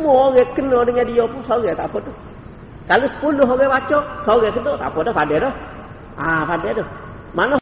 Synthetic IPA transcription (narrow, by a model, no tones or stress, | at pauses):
mɔɔɡɛkənɔdiŋadijɔpusɔɡɛt̪apɔdɔ | kalosə̥puluɦɔɡɛbat͡ʃɔsɔɡɛkənɔt̪a̰pɔdɔpadɛdɔ | apadɛdɔ | manɔ